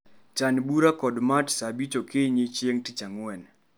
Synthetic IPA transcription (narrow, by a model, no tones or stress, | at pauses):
t͡ʃanbuɾakɔdmatsabit͡ʃokeɲet͡ʃeŋtit͡ʃaŋwɛn